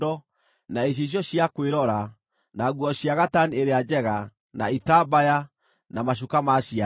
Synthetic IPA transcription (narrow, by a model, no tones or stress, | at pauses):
ɔ | naeɕ̬eɕ̬jɔɕiakweɾɔɾa | naɣwɔɕjaɣatanieɾead͡ʑɛɣa | na̰itabaja | namaʃ̬ukamaɕia